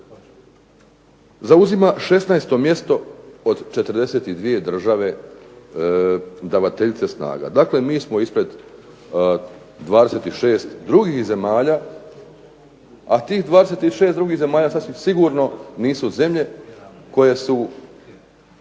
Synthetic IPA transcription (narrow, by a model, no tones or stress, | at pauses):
zauzimaʃe̞snaest̪o̞mje̞st̪o̞od̪t͡ʃe̞t̪ərɾd̪e̞se̞ːt̪id̪ʋije̞d̪r̩ʒaʋe̞ | d̪aʋat̪eʎit̪se̞sna̰ːɡa̰d̪aːkle̞miːsmo̞ispɾe̞d̪ | d̪ʋaːd̪e̞se̞t̪iʃeːst̪d̪ɾuɡihze̞maːʎaː | at̪iːhd̪ʋaːd̪eseːt̪iʃe̞ːst̪d̪ɾuɡihze̞maːʎasat̪sʋimsiɡuːɾno̞niːsuze̞mʎe̞ko̞je̞su